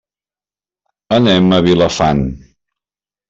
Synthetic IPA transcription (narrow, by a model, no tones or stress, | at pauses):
ənɛməβiləfan